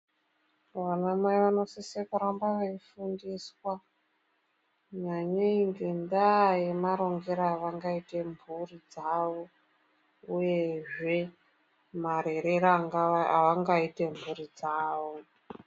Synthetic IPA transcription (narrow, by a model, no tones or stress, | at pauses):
ʋanamwaiʋano̞sisekuɾambaʋaifundiswa | ɲaɲeiŋɡendaje̞maɾo̞ŋɡeɾaːʋaŋɡaite̞murid͡zaʋo̞ | uje̞ʐe̞ | maɾe̞ɾeɾaŋɡaaʋaŋɡaite̞mbuɾid͡zaːʋo̞